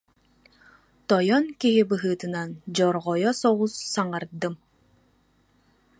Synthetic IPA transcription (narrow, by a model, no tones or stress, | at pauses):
t̪ɔjɔnkiɦibɯɦɯːt̪ɯnand͡ʑɔɾʁɔjɔsɔʁusːaŋaɾd̪ɯm